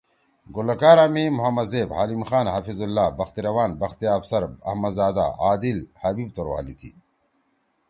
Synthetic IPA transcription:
ɡʊlɐkaːɾamimʊɦɐmɐd̪zeːbhaːlimxaːnɦɐfizulːaːbɐxt̪iɾɐwaːnbɐxt̪iaːfsɐɾɐ̰hmɐd̪zaːd̪a̰aːd̪ilhɐbiːb̚t̪oɾwa̰ːlit̪ʰḭː

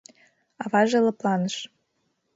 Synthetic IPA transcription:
ɑvɑʒelɤ̆plˠɑnəʃ

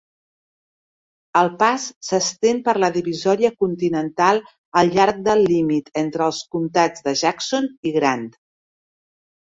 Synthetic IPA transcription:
əlˠpasːəst̪empəɾləðiβizɔɾiəkunt̪inənt̪alˠ | əlˠʎaɾk̚d̪əlːimit̪ent̪ɾəːlˠskumt̪ad͡zðəʒaksoniɣɾand̪

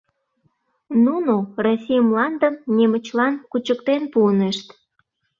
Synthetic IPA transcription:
nunorosʲijəmlɑnd̪əmnemət͡ɕlɑnkut͡ɕəkt̪enpuəneʃt̪

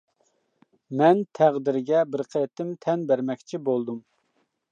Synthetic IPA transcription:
mɛnt̪ʰæʁd̪ɪɾɡʲɛbɪɾqʰət̪ɪmt̪ʰɛnbæɾmɛkʲt͡ʃʰibolˠd̪um

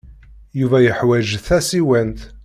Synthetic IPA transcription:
juvæjəħwæʒθæsiwænt̪

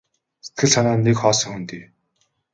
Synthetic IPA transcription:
se̥t̪̚ɡɘ̆ɮsanaːnekχɔːsɞ̆ŋxunt̪eː

